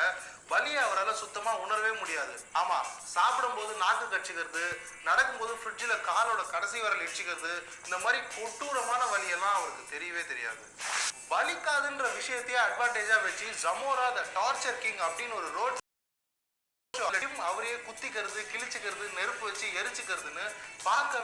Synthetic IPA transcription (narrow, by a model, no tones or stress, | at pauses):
ɐ | ʋɐlɪjɐɐʋɐɾaːlɐ̃sʊt̪ːɐmaːʊɳɐɾɐʋeːmʊɽɪjaːðɯaːmaːsaːpɪɽɯmpoːðɯnaːkɯkːɐʈt͡ʃːɯkːɐɾɐðɯ | nɐɽɐkːɯmpoːðɯfɾɪɖd͡ʒɪlɐkaːloːɽɐkɐɽɐsɪʋɐɾɐlɛɽɯt͡ʃːɯkːɪɾɐðɯ | ɪnd̪ɐmaːd̪ɾikɔʈːuːɾɐmaːnɐʋɐlɪjɛlːãːɐʋɐɾɯkːɯt̪ɛɾɪjɐʋeːt̪ɛɾɪja̰ːðɯʋɐɭɪkːaːðɯndrɐʋɪʂɐjɐt̪ːɐjeːɐɖʋaːɳʈeːd͡ʒaːʋɛt͡ʃːid͡ʒɐmoːɾaːðɐʈaːɾt͡ʃɐɾkɪŋɡɐpːɐɽɪnɔɾɯɾoːɖ | t͡ʃːɯɐɐjɯmɐʋɐɾɐjeːkʊt̪ːɪkːɐɾɐðɯkɪɭɪt͡ʃːɯkːɪɾɐðɯnɛɾɯpːɯʋɛt͡ʃːiɛɾɯt͡ʃːɯkːɪɾɐðɯnːɯpaːɾkːɐ